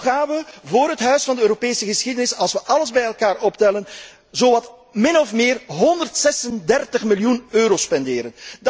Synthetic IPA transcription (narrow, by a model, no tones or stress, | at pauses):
ɣaːnʋəvoːrɦətɦœɥsfɑndəøːɾopeːsəɣəsxidənɪsɑlˠsʋəʔɑləzbɛjɛlˠkaːrɔptɛlən | zoːʋɑt | mɪnɔfmɪːrɦɔndərtsɛsəndɛrtəχmɪljunøːɾoːspɛndɪːɾənd